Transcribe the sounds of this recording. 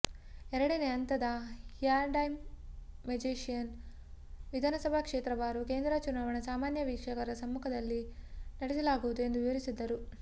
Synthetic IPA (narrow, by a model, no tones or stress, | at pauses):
ɛɾɐɽɐneɐnt̪ɐd̪ɐhijaːɾɖɐjmː | ed͡ʒeːʃijɐn | ʋid̪ʱaːnɐsɐbʱakʂeːt̪ɾɐʋaːɾuke̞ːnd̪ɾɐt͡ʃunaːʋɐɳɐsaːmaːnjɐʋiːkʂɐkɐɾɐsɐmːukʰɐd̪ɐlːinɐɽɛsɐlaːɡuʋud̪ue̞nd̪uʋiʋɐɾisid̪ːɐɾu